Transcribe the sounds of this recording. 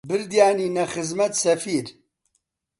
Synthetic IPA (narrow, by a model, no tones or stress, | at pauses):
bɨɾd̪jaːniːnɐxɨzmɐt̪sɐfiːɾ